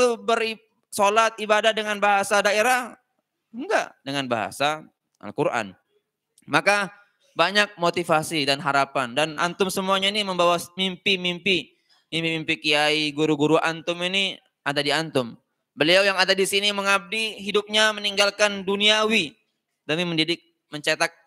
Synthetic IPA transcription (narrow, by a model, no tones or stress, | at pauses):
lubəɾ | solat̪̚ibadahdəŋanbaɦasadaeɾah | əŋɡa̰ʔdəŋanba̰ɦa̰sa | ʔa̰lkuɾʔa̰n | maka | baɲak̚mot̪ifasidanɦaɾapandana̰nt̪ʊmsəmuaɲainiməmbawamimpimimpi | mimpimimpikiaiɡuɾuɡuɾuʔa̰nt̪ʊmini | ʔadadiant̪ʊm | bəliawjaŋadadisiniməŋab̚diɦidʊp̚ɲaməniŋɡalkanduniawi | dəmiməndidɪk̚ | məɲt͡ʃat̪ak̚